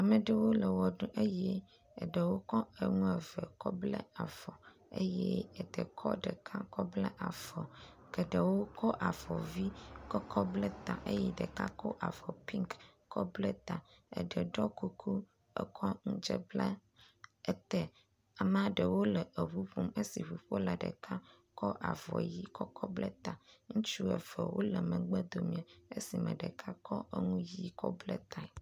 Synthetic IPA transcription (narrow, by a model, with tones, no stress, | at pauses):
a˨mə˨ɖə˨wo˦lə˨wɔ˨ɖũ˦ʔə˦jɛ̰˦˨ | ɖə˨wo˦kɔ˦ə˨ŋũ˦ɛ˨və˨kɔ˦blə̰˦a˨fɔ˨ | e˦jɛ˦ə˨d̪ə̰˨kʰɔ̰˦ɖə˨kʰã˦kɔ˦blə˦ʔa˨fɔ˨kə˨ɖə˨wo˦kʰɔ˦ʔa˨fɔ˨vi˦kɔ˦kʰɔ˦blə˦t̪ã̰˨ʔe˦jɛ˦ɖə˨kã̰˦kɔ˦ʔa̰˨fɔ˨pi˦ŋkː | ɔ˦blə˦t̪ã˨ə̰˨ɖə˨ɖɔ˦ku˦kʰu˦ | ə̰˨kʰɔ˦ŋũ˦d͡ʒə˦bla˦ | ə˦t̪ɛ˦ | a˨m˦a˦ɖə˨wo˦lə˨ʔə˨βu˦ɸu˦˨mə˦si˨ɸu˨ɸo˦la˨ɖə̰˨kʰa˦ | kʰɔ˦ʔa̰˨vɔ̰˨ji˦kɔ˦kɔ˦blɛ˦t̪ã˨ŋũ˦t͡ʃu˦ə˨fə̰˨wo˦lə˨mə̃˨ɡ͡bə˦d̪o˨mĩ˨a˨e˦si˨mə̰̃˨ɖə˨kʰa˦kʰɔ˦ʔə˦ŋũ˦ji˦kɔ˦blɛ˦t̪a˨